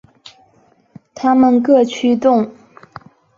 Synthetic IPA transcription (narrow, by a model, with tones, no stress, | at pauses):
t̪ʰa˥˨ma˥˨ŋkə˥˨t͡ɕʰyː˥˨t̪o˥˨ŋ